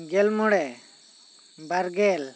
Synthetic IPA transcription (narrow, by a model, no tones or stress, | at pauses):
ɡɛlmɔɽɛ | baɾɡɛl